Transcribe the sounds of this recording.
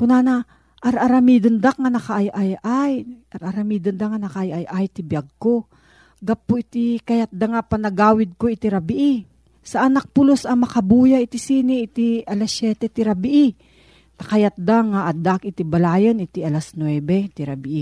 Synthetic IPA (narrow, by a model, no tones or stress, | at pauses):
kʊnaːna | ʔɐɾʔɐɾɐmiːd̪ond̪ak̚ŋanɐkaʔajʔajʔajʔɐɾʔɐɾɐmiːd̪ond̪aŋanɐkaʔajʔajʔajt̪ibjaɡ̚ko̞ | ɡapːoʔɪt̪ikɐjat̪̚d̪aŋapɐnɐɡaːwɪd̪̚koɪt̪iɾabɪʔi | sɐʔɐnak̚pʊlosɐmɐkɐbuːjaʔɪt̪isiːniʔɪt̪iʔɐlasjɛt̪ɛt̪ɪɾabɪʔi | t̪ɐ̥kɐjat̪̚d̪aŋaʔɐd̪akɪt̪ibɐlaːjonʔɪt̪iʔɐlasnwɛbɛt̪iɾɐbɪʔi